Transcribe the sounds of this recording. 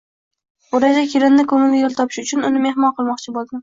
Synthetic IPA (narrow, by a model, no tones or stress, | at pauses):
oɾad͡ʒakʲʰeɾɪnd̪ɪkʰɵŋɪlɪjolˠt̪ʰɒpʰɪ̥ʃʊt͡ʃʰʊnʊnɪmehmɒnqʰɨlˠmɒqt͡ʃʰɪbolˠd̪ɪn